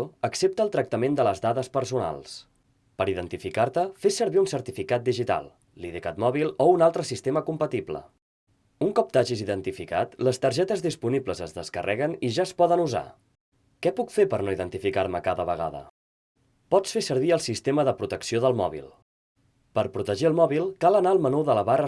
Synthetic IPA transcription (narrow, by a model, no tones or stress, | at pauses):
əksep̚t̪əːlˠt̪ɾək̚t̪əmend̪ələzðaðəspəɾsuna̰lˠs | pəɾiðənt̪ifikaɾt̪əfesːəɾβiunsəɾt̪ifikat̪̚d̪iʒit̪a̰lˠ | liðekat̪mɔβilˠounalˠt̪ɾəsist̪eməkumpət̪iplə̰ | uŋkɔp̚t̪aʒiziðənt̪ifika̰t̪ləst̪əɾʒɛt̪əzðispunibləzəzðəskərʔɛɣəniʒaəspɔðənuza̰ | kɛpukfeɾpəɾnoiðənt̪ifikaɾməkaðəβəɣ̞a̰ðə̰ | pɔt͡sfesəɾβ̞iəlˠsist̪eməðəpɾut̪əksioðəlˠmɔ̰βḭlˠ | pəɾpɾut̪əʒiəlˠmɔβilˠkalənaəlˠmənuðələβarə